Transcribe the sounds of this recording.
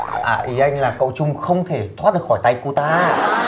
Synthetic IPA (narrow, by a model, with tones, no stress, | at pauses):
ʔaː˧˩ʔi˨˦ʔa˧jŋ̟laː˨˩kə̰˧˨wt͡ɕʊ˧ŋ͡mxə˧wŋ͡mt̪ʰe˧˩t̪ʰwa˦˥ɨ˨˩k̚xɔː˧˩jt̪a˧jku˧t̪aː˧